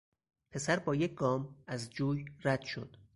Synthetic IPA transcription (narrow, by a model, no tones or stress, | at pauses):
pʰe̞sæɾbɒːjecʰɡɒːmæzd͡ʒuːjɾæd̪̥ʃo̞̰d̪̥